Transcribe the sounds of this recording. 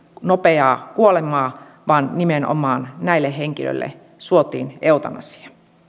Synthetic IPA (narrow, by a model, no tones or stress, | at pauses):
nopeɑːkuolemˑɑː | ʋɑːnnimeno̰mˑɑːnnæilːeɦeŋkilø̰ilːḛ | suot̪ḭːneut̪ɑ̰nɑ̰si̥ɑ̥